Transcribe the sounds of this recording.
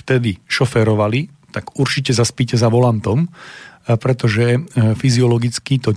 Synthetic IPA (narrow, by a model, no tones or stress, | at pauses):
ft̪ɛd̪iʃɔfɛɾɔʋali | t̪aɡuɾt͡ʃicɛzaspicɛzaʋɔlant̪ɔm | pɾɛt̪ɔʒɛfiziɔlɔɡit͡skit̪ɔ